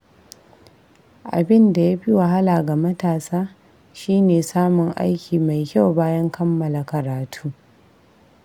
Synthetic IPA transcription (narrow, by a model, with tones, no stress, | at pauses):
ʔa̰˨bɪ˦nda˨ja˦ɸi˦wɐ˨ɦa˦laː˨ɡa˨mɐ˦taː˨saː˦ | ʃiː˦neː˨saː˦mʊ˨ŋʔa̰˦jkʲiː˨ma˨jkʲa˦˨wbaː˦jɐ˦ŋkɐ˦mːɐ˨la˨kɐ˨ɾaː˨tʰuː˦